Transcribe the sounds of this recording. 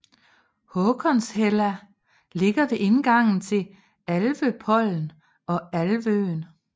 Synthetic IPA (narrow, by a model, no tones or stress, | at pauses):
hɔkʰɒnshelæ | le̝ɡ̥ɐʋe̝ʔe̝nɡ̥ɑ̈ŋ̰n̩t͡sʰe̝l | ælʋøpʰɒ̽l̰n̩ | ɒ̽ælʋøːn